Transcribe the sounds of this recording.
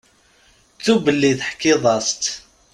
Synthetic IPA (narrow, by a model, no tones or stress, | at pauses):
t͡sːubəlːiðħkːɪðˤɑst̪